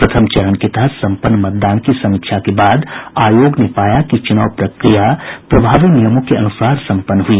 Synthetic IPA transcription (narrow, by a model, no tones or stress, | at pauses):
pɾɐt̪ʰəmt͡ʃɐɾəɳket̪ɐɦəsɐ̃mpənːmɐt̪̚d̪aːnkisɐmikʃʰjakebaːd̪aːjoːɡnepaːjakit͡ʃʊnaːwpɾəkɾijapɾɐbʱaːʋinijəmõkeɐnusaːɾsɐ̃mpənːɦui